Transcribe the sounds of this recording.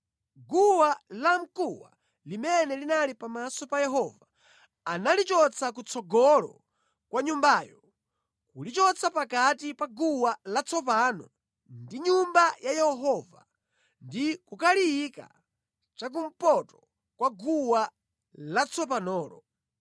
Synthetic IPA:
ɡuwalam̩kuwa̰ | limɛnɛlinalipamasɔpajɛɦɔva | analit͡ʃɔt͡sʰakut͡sʰɔɡɔlɔ̰ | kwaɲumbaːjɔ | kulit͡ʃɔt͡sʰapakatipaɡuwalat͡sʰɔp̬anɔ | ndiɲumbajajɛhɔɦɔva | ndikukaliika̰ | t͡ʃak̬um̩pɔtɔ | kwaɡuwa | lat͡sʰɔp̬anɔːɾɔ

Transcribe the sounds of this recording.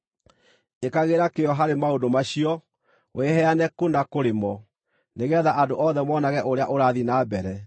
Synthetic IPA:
ekaɣeɾakejɔɦaɾemaondomaɕiɔ | wʔehɛanɛkondakoɾemɔ | neɣɛðaʔadoʔɔðɛmɔnaɣɛʔoɾeaʔoɾaðinaːbɛɾɛ

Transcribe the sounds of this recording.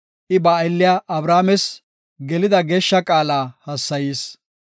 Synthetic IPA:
ʔɪbɐːjlːɪjaʔɐbɾaːmɛs | ɡɛlɪd̪ɐɡeːʃːɐkʼaːlaːhɐsːɐjiːs

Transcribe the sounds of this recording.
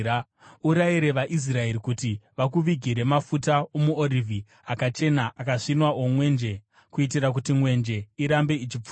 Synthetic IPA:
uɾaiɾe̞ʋaʔis̬rae̞ɾikutiʋak̬uʋiɡʱiɾe̞mafutaomuorivʱi | akat͡ʃe̞naʔakaʂinwaʔomwe̞nd͡ʒe̞ | kuitirak̬utimwe̞nd͡ʒe̞iɾambe̞it͡ʃip͡fu̥

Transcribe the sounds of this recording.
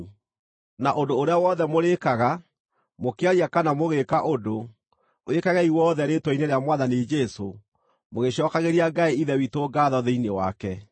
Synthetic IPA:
naʔodoːɾeawɔðɛmoɾekaɣa | mokeaɾiakanamoɣekaʔodo | ekaɣɛiwɔðɛɾetwɔineɾeamwaðaned͡ʒɛso | moɣeɕɔːkaɣeɾiaɡaeiðɛwitoːɡaːðɔðeinewa̰kɛ

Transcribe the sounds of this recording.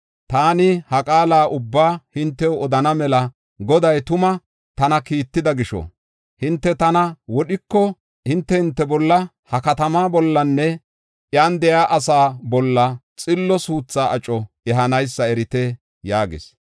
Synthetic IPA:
t̪aːnɪhɐkʼaːlaːʔʊbːaːhɪnt̪ːɛwɔd̪ɐnɐmɛlɐ | ɡɔd̪ɐjt̪ʊmɐ | t̪ɐnɐkiːt̪ːɪd̪ɐɡɪʃɔ̰ | hɪnt̪ːɛt̪ɐnɐwɔɗɪkːɔ | hɪnt̪ːɛhɪnt̪ːɛbɔlːɐ | hɐkɐt̪ɐmaːbɔlːɐnːɛ | ʔjand̪ɛjaːʔɐsaːbɔlːɐt͡sʼɪlːɔsuːt͡sːaːɐt͡ʃʼɔ | ɛɦɐnɐjsːɐɛɾɪt̪ɛ | jaːɡɪ̰s

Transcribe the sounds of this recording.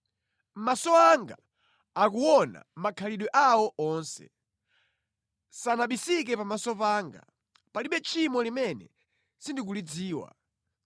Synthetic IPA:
m̩masɔaŋɡa | ak̬uwɔna̰makʰaliɗwɛʔawɔʔɔːnsɛ̰ | sanaɓisik̬ɛpamasɔpaːŋɡa̰ | paliɓɛt͡ʃʰimɔlimɛnɛ̰ | sindik̬ulid͡ziːwa̰

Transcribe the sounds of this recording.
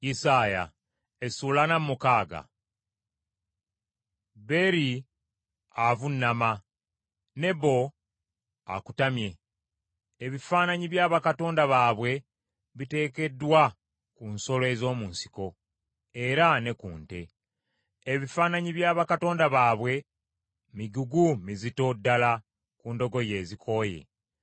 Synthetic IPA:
jisaːja̰ | esuːlanamːukaːɡa̰ | be̞ɾi | avunːama | ne̞bo̞ | a̰ku̥tamje̞ː | βifaːnaɲiβjaːβakato̞ːndaβaːβwe̞ | βite̞ːke̞dːwa | kunso̞loe̞zo̞ːmuːnsi̥ko̞ | e̞ɾane̞kuːnte̞ | eβifaːnaɲiβjaːβakato̞ːndaβaːβwe̞ | miɟuɡumizito̞dːala | kuːndo̞ɡo̞je̞ːzikʰo̞ːje̞̰

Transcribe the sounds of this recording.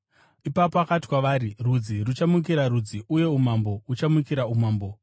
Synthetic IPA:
ipapoakati̥kwaʋaːɾirud͡zirut͡ʃamuk̬iɾaɾud͡ziʔuje̞umambo̞ut͡ʃamukiɾaumaːmbo̞

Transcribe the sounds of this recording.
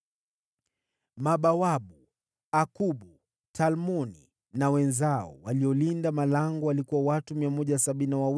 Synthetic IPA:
maɓawaɓu | akuɓu | talmɔnḭ | nawɛnzaɔ̰waliɔlindamalaŋɡɔalikuwawatumiamɔʄasaɓininawaw

